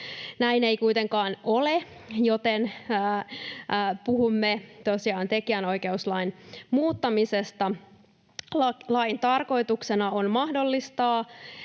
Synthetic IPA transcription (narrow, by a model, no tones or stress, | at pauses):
næineikujt̪e̞ŋkɑːnolejot̪enː | puhumːet̪osiɑːnt̪ekiæno̞ike̞uslɑinmuːt̪ːɑmisest̪ɑ | lɑlɑint̪ɑrko̞it̪uksenɑonmɑhdo̞lːist̪ɑː